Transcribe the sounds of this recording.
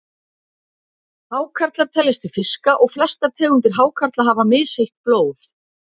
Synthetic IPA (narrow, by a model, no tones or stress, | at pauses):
haːwkʰaɾt̪laɾ̥t̪ʰɛlːɪst̪ɪ̥fɪskaʔɔɣflɛst̪aɾt̪ʰɛːɣʏnt̪ɪɾ̥ɦaːwkʰaɾ̥t̪laɦavamɪːsejht̪̚ploːwθ